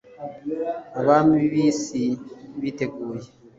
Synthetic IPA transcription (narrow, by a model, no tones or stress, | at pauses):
aβamiβisiβitekuje